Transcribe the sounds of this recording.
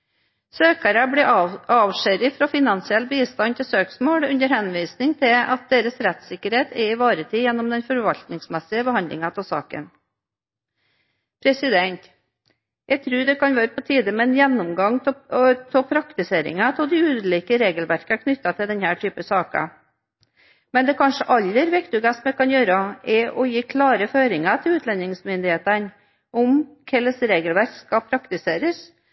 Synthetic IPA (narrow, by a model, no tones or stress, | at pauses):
søːkɑɾɑbɽiːɑːʋʂæɾɪfɾɑːfɪnɑnsɪɛlbiːst̪ɑnt̪ʰɪlsøːksmoːɽʉnəɾhɛnʋiːsnɪŋt̪ʰɪɑt̪̚d̪eːɾəsɾɛt̪sɪkːəɾheːt̪ʰɛɪʋɑːɾət̪ʰiːjɛnːɔmd̪ɛnfɔɾʋɑʎt̪nɪŋsmɛsɪəbəhɑnd̪lʔɪ̰ŋɑt̪ʰɪlsɑ̰ːkə̰n | pʰɾɛsɪd̪ɛnt̪ | jæɪt̪ʰɾʉːɖɛkʰɑnʋɑːɾəpʰɔt̪ʰiːd̪əmɛɛnjɛnːɔmɡɑŋt̪ʰɔpʰɾɑkt̪ɪseːɾɪ̰ŋɑt̪ʰɔld̪ɛʉːd̪liːkəɾeːɡəlʋæɾkəæɾkʰnʏt̪ːɑt̪ʰɪld̪ɛnhæːʈʰyːpəsɑːkɑ̰ | mɛnd̪ɛkʰɑnʂəʔɑlːəɾʋɛkt̪ʉɡɑsmɛkɑnjøːɾəɛʔɔjiːkʰlɑːɾəføːɾɪŋɑt̪ʰɪlʉːt̪ʰlɛnɪŋsmʏnd̪ɪheːt̪ən | ʔɔmkʰɛlːəsɾeːɡəlʋæɾkskɑpʰɾɑkt̪ɪseːɾəs